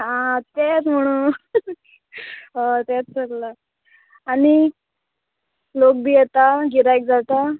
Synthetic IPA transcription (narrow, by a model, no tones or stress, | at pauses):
at̪et͡sm̤əɽ̃uː | ɦat̪et͡st͡səllaː | ɽ̃i | lok̚bijɛt̪aɡiɾajk̚d͡zʱalt̪a